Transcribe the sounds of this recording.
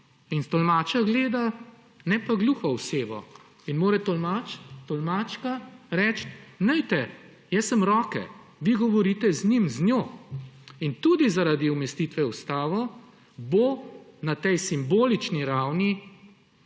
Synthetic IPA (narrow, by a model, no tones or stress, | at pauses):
inst̪ɔlmaːt͡ʃaɡleːd̪a | nɛpaɡluːxɔwseːʋɔ̰ | inmoːɾɛt̪ɔmat̪ɔlmaːt͡ʃkaɾɛt͡ʃt̪nɛjt̪ɛ | jɛsːəmɾɔːkɛ̰ | ʋiɡɔʋɔɾiːt̪ɛznimznjoː | int̪uːd̪izaɾaːd̪iumɛst̪it̪ʋɛust̪aːʋɔ | bonat̪ɛjsimboːlit͡ʃniɾawni